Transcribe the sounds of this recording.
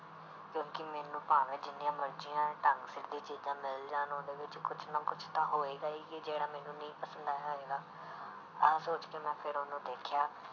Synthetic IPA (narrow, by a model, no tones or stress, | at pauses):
kjõːkɪmɛːnũːpaːʋẽːd͡ʒɪnːɪjãːməɾd͡ʒijãːʈəŋɡsɪɾd̪ĩːt͡ʃiːd͡ʒãːmɪld͡ʒaːnõːd̪eːʋɪt͡ʃkʊt͡ʃʰnãːkʊt͡ʃʰt̪ãːɦoːeːɡaːiːkid͡ʒeːɽaːmɛːnũːnəĩːpəsənd̪aːɦoːeːɡaː | əsoːt͡ʃkeːmɛ̃ːpʰɪɾonõːd̪eːkʰjaː